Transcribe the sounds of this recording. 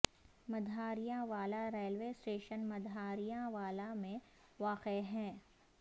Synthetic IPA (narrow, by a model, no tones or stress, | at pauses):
mɐd̪ʱaːɾijãʋaːlaɾeːlʋeːsʈeːʃənmɐd̪ʱaːɾijãʋaːlamẽ | ʋaːqeɦɛ̃ː